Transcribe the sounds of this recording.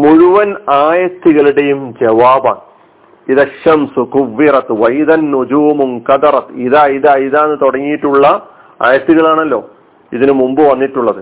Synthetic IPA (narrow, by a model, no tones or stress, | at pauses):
muɻuʋɐnaːjɐt̪ːiɣɐɭiɽe̞jumd͡ʑɐʋaːba̰ːɳ | iðɐɕɐmsukuʋːirɐt̪ʋɐjd̪ɐnːud͡ʑuːmuŋkɐd̪ɐɾɐt̪ɨiðaːjiðaːjiðaːenːɨt̪oɽɐŋːijiʈːuɭːɐ | a̰ːjɐt̪ːiɣɐɭaːɳɐlːo̞ː | iðinɨmumbɨʋɐnːiʈːuɭːɐðɨ